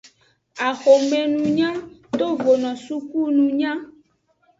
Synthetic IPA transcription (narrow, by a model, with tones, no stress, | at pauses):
a˨xo˨mɛ̃˨nũ˨ɲã˦t̪o˦vo˨nɔ̃˨su˦ku˦nũ˨ɲã˦